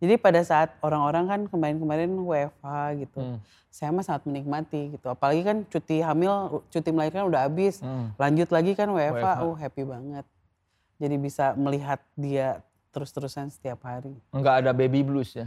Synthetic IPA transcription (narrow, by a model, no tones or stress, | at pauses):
d͡ʒadipadasaːt̪̚oɾaŋoɾaŋkankəmaɾɪnkəmaɾɪnwefaɡit̪u | sajamasaŋat̪̚mənik̚mat̪iɡit̪uapalaɡikant͡ʃut̪iɦamɪlt͡ʃut̪iməlaɪrkanudaɦabɪslaɲd͡ʒʊt̪laɡikanweefaoɦɛpibaŋət̪̚ | d͡ʒadibisaməliɦat̪̚dia | t̪əɾʊst̪əɾusansə̥t̪iapɦaɾiŋɡaːdabebiblʊsɲa